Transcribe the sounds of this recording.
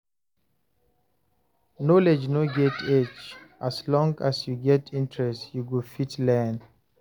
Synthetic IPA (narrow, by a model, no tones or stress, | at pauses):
nɔled͡ʒnoɡɛtʰɛt͡ʃʔaslɔ̃ŋasjuɡɛtʰĩntʰɹɛstjuɡofitlɛ̃n